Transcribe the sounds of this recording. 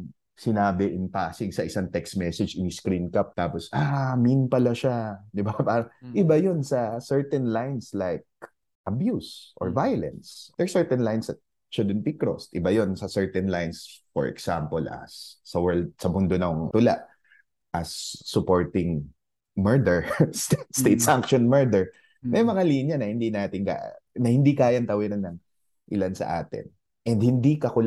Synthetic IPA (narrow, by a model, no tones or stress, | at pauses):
sɪnaːbɪʔɪnpaːsɪŋsɐʔɪsaŋt̪ɛkst̪mɛsɛd͡ʒɪniskɾinkap̚t̪aːposʔaminpɐlɐʃad̪ɪbapaːɾɐŋʔɪbajonsɐsɛɹt̪ɛnlajnslajk̚ | ʔɐbjusʔɔ̰ɹvajʊlɛ̰nsd̪̥ɛɹsɛɹt̪ɛnlajnsɐt̪̚ | t͡ʃʊd̪ɛnt̪ikɹo̰st̪ʔɪbajonsɐsɛɹt̪ɛnlajnsfɔ̰ɹɛ̰ksampɔlʔɐ̰sːɐwɛɹld̪̚sɐmʊnd̪onɐŋt̪ʊla̰ʔ | ʔɐsːʊpoɹt̪ɪŋ | mɛɹd̪ɛɹstst̪ejt̪sʔaŋkʃɔnmɛɹd̪ɛɹ | mɛjmɐŋaliːnjɐnɐhɪnd̪inaːt̪ɪŋka̰nɐhɪnd̪ikaːjɐnt̪ɐwɪɾɐnːɐŋ | ʔɪlansɐ̰ʔaːt̪ɪ̰n | ʔɛnd̪̚hɪnd̪ikɐkʊl